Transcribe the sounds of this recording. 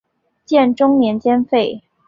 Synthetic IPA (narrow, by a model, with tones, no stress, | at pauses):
t͡ɕjɛ˥˩nʈ͡ʂʊ˥ŋnjɛ˧˥nt͡ɕjɛ˥nfe˥˩ɪ